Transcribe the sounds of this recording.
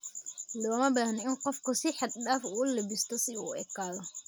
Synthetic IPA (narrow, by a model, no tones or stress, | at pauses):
lɔːmɐbaːhnɪnqɔfkɔsɪħad̪̚ɗaːfuːlɐbɪst̪ɔsɪuɛkːaːðɔ